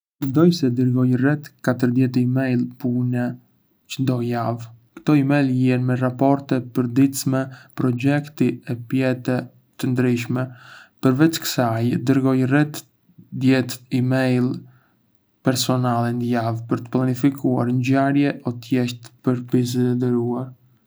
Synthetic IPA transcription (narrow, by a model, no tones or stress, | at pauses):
mənd̪ɔjsɛd̪əɾɡɔjrɛt̪kat̪əɾd̪jɛt̪imɛjlˠpunɛ | t͡ʃəd̪ɔjav | kt̪ɔimɛjlˠjɛnmɛrapɔɾt̪ɛpəɾd̪it̪smɛpɾɔd͡ʒɛkt̪iɛpjɛt̪ɛ | t̪ənd̪ɾiʃmɛpəɾvɛt͡ʃkə̥sajd̪əɾɡɔjrɛt̪ | d̪jɛt̪imɛjl | pɛɾsɔnalˠɛnd̪əjavpəɾt̪ə̥plˠanifikua̰ɾnɟaɾjɛʔɔt̪jɛʃt̪pəɾpiz̬ɛd̪əɾuaɾ